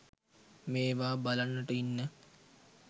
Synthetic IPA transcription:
meːʋaːbalanːəʈəinːə

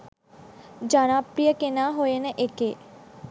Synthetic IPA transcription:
d͡ʒaːñãpɾijəkenaɦoenẽʔekeː

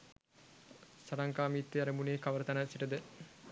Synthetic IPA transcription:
sɐɾɐŋkaːmiːt̪ːeɐɾɐmuneːkɐʋəɾət̪ɐnəsiʈəd̪ə

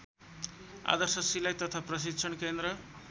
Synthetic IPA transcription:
a̰d̪ʌrsʌsilajt̪ʌt̪ʰaprʌs̬it̪ːt͡sʰʌnkend̪ɾʌ

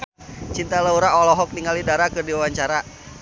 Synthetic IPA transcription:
t͡ʃint̪alauɾaɔlɔɦɔk̚niŋalidaɾakɨrdiwawaɲt͡ʃaɾa

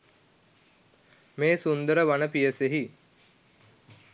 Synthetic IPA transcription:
meːsund̪əɾəʋanəpijəseɦi

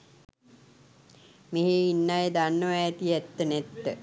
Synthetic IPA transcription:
meɦeinːajed̪anːəʋæːt̪iæt̪ːənæt̪ːə

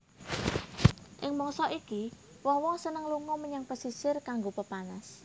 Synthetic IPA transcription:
ʔɪŋmɔŋsɔʔiki | wɔŋwɔŋsənəŋluŋɔməɲaŋpəsisɪrkaŋɡopəpanas

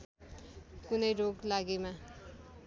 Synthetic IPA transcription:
kunʌjɾoɡlaɡema

